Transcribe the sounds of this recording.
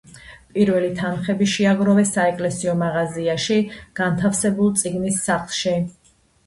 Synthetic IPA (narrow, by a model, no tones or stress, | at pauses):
pʼiɾvɛlit̪ʰanχɛbiʃiaɡɾɔvɛsaɛkʼlɛsiɔmaʁaziaʃiɡ̥ant̪ʰafsɛbulˠt̪sʼiɡnisːaχlˠʃi